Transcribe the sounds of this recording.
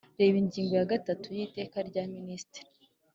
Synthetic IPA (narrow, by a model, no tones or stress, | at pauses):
ɾe̞ːβiɲɟiːŋɡo̞jaɡatatujiːte̞ːkaɾɟaministɾi